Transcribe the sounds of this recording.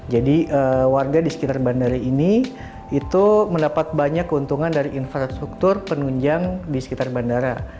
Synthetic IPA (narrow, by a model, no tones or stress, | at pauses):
d͡ʒadiʔəwarɡadisə̥kit̪arbandaɾaini | it̪uməndapat̪̚baɲakːəunt̪uŋandaɾiʔinfɾast̪ɾuk̚t̪ʊrpənuɲd͡ʒaŋdisə̥kit̪arbandaɾa